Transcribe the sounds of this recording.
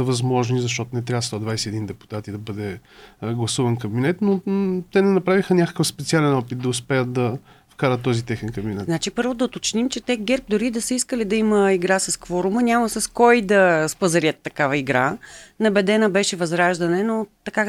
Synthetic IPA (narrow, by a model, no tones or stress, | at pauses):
əvɐzmɔʒnizɐʃ̬t̪ɔt̪ʊnɛt̪ɾʲavst̪ɔd̪vajsɛːd̪ind̪ɛpu̥t̪at̪id̪ɐbɤd̪ɛɡlˠɐsuvɐnkɐbinɛt̪not̪ɛnɛnɐpɾavixənʲakə̥kəfspɛt̪sialɛnɔpit̪̚d̪ɐʊspɛət̪̚d̪ɐ | fkaɾət̪ːɔzit̪ɛxɛnkɐbinɛt̪znat͡ʃipɤɾvod̪ɐot̪ot͡ʃnimt͡ʃɛt̪ɛɡɛɾp̚d̪ʊɾid̪ɐsəiskəlid̪ɐiməiɡɾasɐskvɔɾʊmənʲamɐsɐskɔjd̪ɐspɐzɐɾiət̪ːɐkavəiɡɾanɐbɛd̪ɛnəbɛʃɛvɐzɾaʒd̪ɐnɛnot̪ɐka